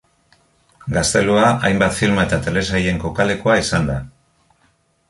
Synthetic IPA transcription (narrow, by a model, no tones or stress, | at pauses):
ɡast̪e̞luaajmbat̪filmae̞t̪at̪e̞le̞saje̞ŋko̞kale̞koaisand̪a